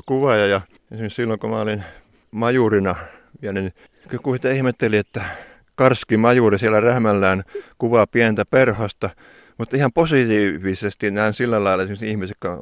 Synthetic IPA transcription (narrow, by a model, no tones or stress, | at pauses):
kuʋɑjɑjɑ | esimissilːoŋkomæolin | mɑjurinɑ | ʋiænyni | kkusit̪æihmet̪ːeliet̪ːæ | kɑrskimɑjurisiælærehmælːæːnkuʋɑpiænt̪æperhɑst̪ɑ | mut̪ihɑmposit̪iːʋisest̪inæinsilːælɑilɑesimsihmisekːɑ